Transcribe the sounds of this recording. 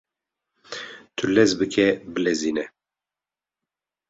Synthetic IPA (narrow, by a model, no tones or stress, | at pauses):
t̪ʰɨlɛzbɨkʰɛbɨlɛziːnɛ